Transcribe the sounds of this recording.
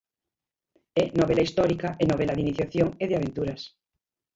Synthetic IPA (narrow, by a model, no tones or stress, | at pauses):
enoβelaist̪oɾikaʔenoβ̞elaðiniθjaθjoŋeðeaβ̞ent̪uɾas